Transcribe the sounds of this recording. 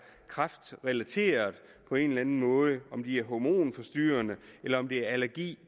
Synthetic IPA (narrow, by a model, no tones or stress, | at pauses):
kʰʁɑfd̥ʁɛlæt͡sʰe̝̰ːɐð̩ˠ | pʰɒ̽e̝nlænn̩mɔ̽ːð̞ˠəɒ̽md̥iæɐɦɒmo̝̰ːnfɒ̽sd̥yːɐnəelɐɒ̽md̥eæɐælæɐɡ̥ḭː